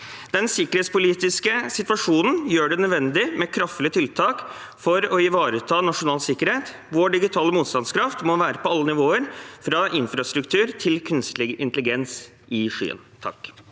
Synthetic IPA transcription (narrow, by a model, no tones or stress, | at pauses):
d̪̥ɛnsɪkːəɾheːt̪spʊliːt̪ɪskəsɪt̪ʋɑʂuːnn̩jøːɖɛnœd̪ʋɛnd̪ɪmɛkʰɾɑft̪əlɪət̪ʰɪlt̪ʰɑːk | fɔɾɔɪʋɑːɾət̪ʰɑːnɑʂʊnɑːlsɪkːəɾheːt̪ | ʋoːɖɪɡɪt̪ʰɑːləmuːt̪st̪ɑnskʰɾɑft̪mɔʋæːɾəpɔɑlːənɪʋoːəɾfɾɑʔɪnfɾɑst̪ɾʉkt̪ʰʉːɾt̪ʰɪlkʰʉnst̪lɪɡɪnt̪əlɪɡɛns | ʔɪʂy̰ːə̰nt̪ʰɑ̰k